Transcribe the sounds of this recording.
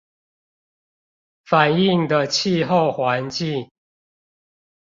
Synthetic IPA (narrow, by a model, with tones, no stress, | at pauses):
fa˨˩ni˥˨ŋd̪ə˨t͡ɕʰi˥˧ɦo˥˨ʊxwa˨˦nt͡ɕi˥˨